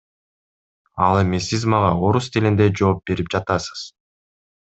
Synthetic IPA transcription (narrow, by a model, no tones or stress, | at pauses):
ɑ̰lˠe̞misizmɑʁɑo̞ɾust̪ʰilʲind̪e̞d͡ʒo̞ːp̚b̥e̞ɾip̚d͡ʒɑt̪ɑsɯ̥z̥